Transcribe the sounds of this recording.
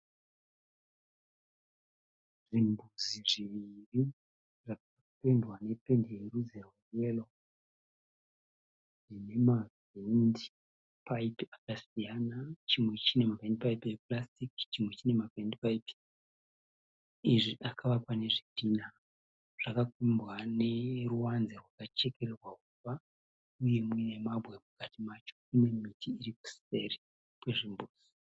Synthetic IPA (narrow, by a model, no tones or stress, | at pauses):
ʐimbuziʐiʋiri | ʐaka | pe̞ndwane̞pe̞ndeɾud͡zeɦorelo | ʐine̞mav | endi | paipiakasijanat͡ʃimwe̞t͡ʃine̞mavʱendipaipieplastikt͡ʃimwet͡ʃine̞mavendipaipi̥ | iʐiʔakʰaʋapane̞ʐipina | ʐ̥akakwimbwane̞ruwanzerwakat͡ʃe̞ke̞ɾerwakufa | uje̞minemabʱwe̞mukatimat͡ʃo̞ine̞mitʰiːɾiku̥se̞ri | pweʐimbuːzi̥